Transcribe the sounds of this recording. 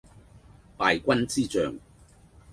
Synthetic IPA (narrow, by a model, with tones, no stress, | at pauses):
paː˨jkʷɐ˥nt͡siː˥t͡sœ̰ː˨ŋ